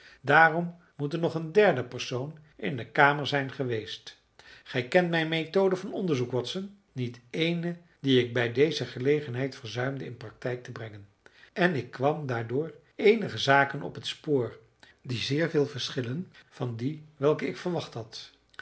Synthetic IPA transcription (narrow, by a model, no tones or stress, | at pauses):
daːrɔmː | utənːɔχəndɛɹdəpəɹsownʔɪ̰ndəkaːməɹzɛjnχəʋejst | χɛjkɛntmɛjnmetowdəvɑnɔndəɹzukʋɔtsən | nitejnə | diɪk̚bɛjdejzəχəlejχənɦɛjtfəɹzœɥmdəɪnprɑk̚tɛjk̚təbrɛŋən | ʔɛnɪkːʋɑmdaːɹdʊːɹ | ejnəχəzaːkənɔ̰pɦətspʊːɹ | dizɪːɹvɪːlˠvəɹsχɪlənv̥ɑndiʋɛlˠkəɪkfəɹʋɑχtɦɑt